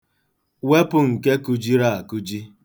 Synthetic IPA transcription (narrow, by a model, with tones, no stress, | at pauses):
we˦pʊ˨ŋ̩˨ke˦ku˨d͡ʒi˦ɾa˦˨a˨ku˦d͡ʒi˦